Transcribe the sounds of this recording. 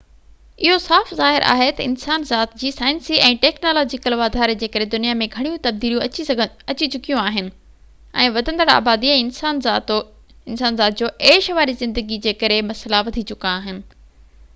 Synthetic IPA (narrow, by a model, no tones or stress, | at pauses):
ɪɦosaːfzaːɦɪɾʔa̰ːɦet̪ɐɪ̰nsaːnzaːt̪d͡ʑiːsaːɪ̃nsiʔɛ̃ːʈɛːknoːlɔːd͡ʑɪkəlʋaːd̪ʱaːɾd͡ʑeːkɐɾed̪ʊnijamẽɡʱɐɽ̃ijũt̪ɐb̚d̪iːlijũɡ | ɐt͡ɕit͡ɕʊkijũaːɦɪnɪ̆ | ɛ̃ːʋɐd̪ʱə̃nd̪əɽa̰ːbaːd̪iɛ̃ːnsaːnzaːt̪o | ɪnsaːnzaːt̪̚d͡ʑoːʔeːʃʋaːɾizɪ̃nd̪əɡid͡ʑeːkɐɾemɐslaʋɐd̪ʱit͡ɕʊkaːɦɪnɪ̆